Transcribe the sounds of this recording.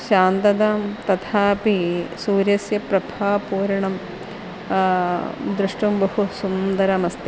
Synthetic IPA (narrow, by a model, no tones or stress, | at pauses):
ʃaːnt̪ɐd̪aːmt̪ɐt̪ʰaːpisuːɾjɐsjɐpɾɐbʱaːpuːɾɐɳɐm | d̪ɾuʂʈumbɐhusund̪ɐɾɐmɐst̪i